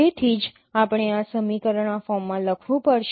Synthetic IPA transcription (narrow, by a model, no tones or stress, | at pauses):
et̪ʰid͡ʒ | apəɳ̃easəmikəɾəɳ̃afɔmːãləkʰʋũpəɽʃ